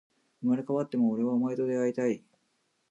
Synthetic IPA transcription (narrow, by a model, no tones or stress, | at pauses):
ɯmaɾekaβat̪ːe̞moːɾe̞βaomaet̪o̞d̪e̞ait̪ai